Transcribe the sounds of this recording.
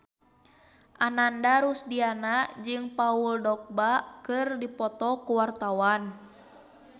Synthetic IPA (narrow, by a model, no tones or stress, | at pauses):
ʔanandaɾusdianad͡ʒɨŋpauldɔk̚bakɨrdipɔt̪ɔkuwart̪awan